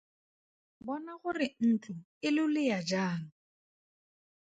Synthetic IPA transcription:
bɔnaɣʊrɪn̩t͡ɬʼʊ | ɪlʊlɪjad͡ʒaːŋ̩

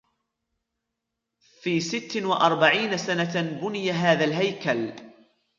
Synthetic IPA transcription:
fiːsɪt̪ːwaʔɑɾˤbaʕiːnasanabʊnɪjaɦaːðalɦajkal

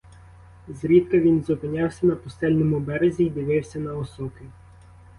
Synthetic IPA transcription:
zɾʲit̪kɐʋʲinzɔpɪnʲawsʲɐnɐpʊst̪ɛlʲnɔmʊbɛɾezʲiːd̪ʲiʋɪwsʲɐnɐɔsɔkʲɪ

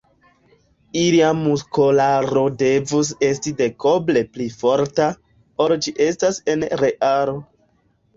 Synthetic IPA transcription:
iliamuskolaɾo̞de̞vus̬e̞stide̞koble̞plifo̞ɾta | oɾd͡ʒiʔe̞stase̞nɾe̞ʔaɾo

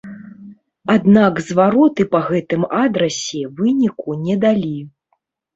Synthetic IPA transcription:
ad̪nakzvaɾɔt̪ɨpɐɣɛt̪ɨmad̪ɾɐsʲɛvɨnʲikunʲɛd̪alʲi

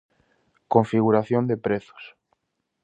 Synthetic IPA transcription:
koɱfiɣuɾaθjond̪epɾeθo̥s

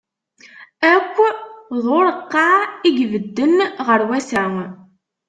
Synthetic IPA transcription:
ækʷːðˤʊɾəqːɑiɡvəd̪ːənʁəɾwæsæŋ

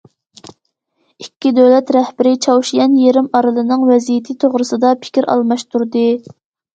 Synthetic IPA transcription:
ikʲːid̪øwlɛt̪ɾɛhbɪɾɪt͡ʃʰɑwʃijɛnjeɾɪmɑɾɨlˠɨnɨŋwɛzijɪt̪ʰɪt̪ʰoʁɾɨsɨd̪ɑpʰɪ̥kʲiɾʔɑ̰lˠmɑʃt̪uɾd̪ɨ

